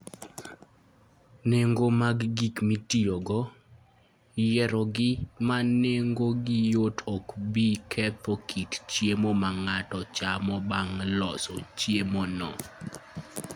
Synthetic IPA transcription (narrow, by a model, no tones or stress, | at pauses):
neŋɡomaɡɡikmitiɔɡɔ | jɛɾɔɡɪmaneŋɡoɡɪjotʰɔkbikʰɛt̪okʰitt͡ʃjemomaŋatɔt͡ʃamɔbaŋlɔsɔ̰t͡ʃjemonɔ̰